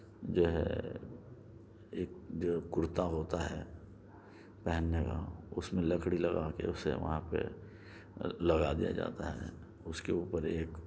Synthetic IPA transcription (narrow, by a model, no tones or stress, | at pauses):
d͡ʒoːɦɛ̰ | eːk̚d͡ʒoːʊɾt̪aɦoːt̪aɦɛː | pɛɦɛnːeka̰ʊsmẽlɐkɽilɐɡakḛʊsḛʋɐ̰ɦãpḛ | lɐɡad̪ija̰d͡ʒa̰ːt̪aɦɛ̰ | ʊskeuːpəɾeːk